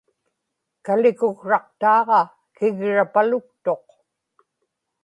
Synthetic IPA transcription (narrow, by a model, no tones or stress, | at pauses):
kalɪkʊɣʂɑq̚t̪ɑːʁɑ | kɪɣɻapalʊk̚t̪o̞q